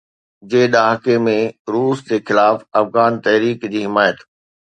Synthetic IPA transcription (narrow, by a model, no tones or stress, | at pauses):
d͡ʑeːɗaːɦkemẽɾuːsd͡ʑeːxɪlaːfɐfɣaːnt̪ɐɦɾiːkd͡ʑiːɦɪmaːjət̪